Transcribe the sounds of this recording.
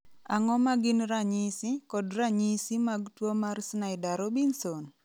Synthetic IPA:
aŋɔmaɡɪnɾaɲisikɔdraɲisimaɡtwomarsnaɪdaɾobinson

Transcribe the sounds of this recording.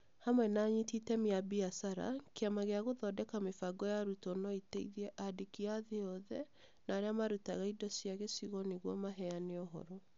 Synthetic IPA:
hamwɛnaɲititɛmeabiasaɾa̰keamaɣeaɣoðɔdɛkamefaɡɔjaɾutɔnɔiteiðɛʔadekiaðeɔðɛ | naːɾeamaɾutaɣaidɔsjaɣesiɣɔneɣwɔmaɦɛaneɔɦɔ̰ɾɔ

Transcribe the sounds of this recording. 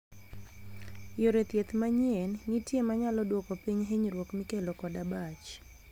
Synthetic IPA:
joɾɛt̪jɛt̪maɲiɛnːitiemaɲalɔdwɔkɔpiɲɦeɲɾwɔkmikɛlɔkɔdabat͡ʃ

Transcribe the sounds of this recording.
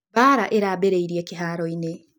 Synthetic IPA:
βaːɾaʔeɾabeɾeiɾiekiɦaɾoine

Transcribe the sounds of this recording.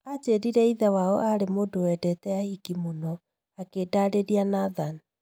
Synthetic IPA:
at͡ʃeɾiɾɛiðawaɔʔaɾemoːdowɛːdɛtɛahiɡimonɔ | akedaɾeɾianaðan

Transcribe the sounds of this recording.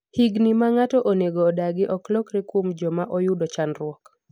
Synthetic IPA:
hiɡnimaŋatɔʔoneɡoːdaɡɪʔɔklɔkɾɪkumd͡ʒɔmaʔojudot͡ʃanrwɔk

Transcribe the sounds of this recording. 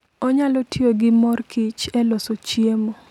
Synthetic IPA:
ɔɲalɔtʰioɡɪmɔrkʰɪt͡ʃɛlosot͡ʃiemo

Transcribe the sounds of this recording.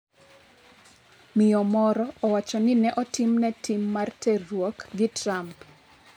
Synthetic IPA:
mɪɔmɔɾɔːwat͡ʃɔnɪnɛʔɔtɪmnɛtimːartɛrwɔkɡɪtramp

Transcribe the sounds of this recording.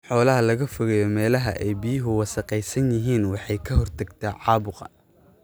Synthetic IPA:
ħɔːlɐɦɐlɐɣɐfʊɣɛjɔmɛːlɐɦɐʔɛjbijɪɦʊwɑsɐqɛjsɐnjɪɦiːnwɑħɑjkʰɐhɔrt̪ʰɐɡt̪ʰɐʕɑːβʊqɑ̰

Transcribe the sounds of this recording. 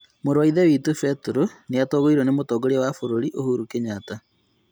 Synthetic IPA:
moɾwaiðɛwiːtufɛtuɾoneatoːɣoiɾonemotɔːɡoɾiawafoɾoɾiʔohuːɾukeɲaːta

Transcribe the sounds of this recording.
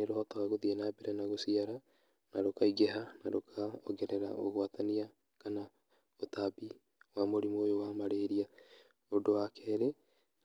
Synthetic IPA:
eɾohɔt̪aɣaɣoðienaːbeɾanaɣosiaɾa | naɾokaiɡeɦanaɾokʰaɔɡɛɾeɾa̰ʔoɣoat̪ania | kana | ot̪abi | wamoɾimoːjowamaɾeɾia | odowakʰɛɾe

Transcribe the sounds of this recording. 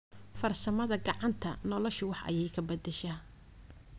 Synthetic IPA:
fɐrsɐmɐðɐɡɑʕɑnt̪ʰɐnɔlɔʃʊwɑħʔɐ̰jɛjkʰɐbɐd̪ɛʃɐː

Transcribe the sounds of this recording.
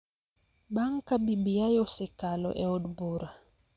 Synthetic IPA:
ɓaŋkambibijajosɛkalɔ̰ʔɛɔɗubuɾa

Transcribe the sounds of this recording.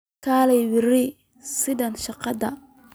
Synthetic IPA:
kʰaːlɛjwɪrɪ | sɪðɐnʃɑqɑd̪ɐ

